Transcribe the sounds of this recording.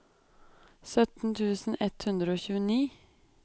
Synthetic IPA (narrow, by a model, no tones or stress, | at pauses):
sœt̪n̩t̪ʰʉːsn̩ɛt̪hʉnd̪ɾəoːçʉːəniː